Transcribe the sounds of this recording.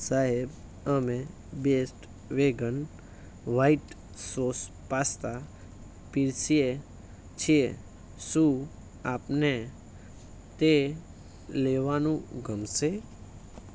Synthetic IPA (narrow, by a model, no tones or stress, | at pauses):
saɦeb | əmẽ | besʈ | ʋeɡən | ʋaiʈ | sos | past̪a | piɾsije | t͡ʃʰie | su | aːpne | t̪e | leʋanũɡʱəmse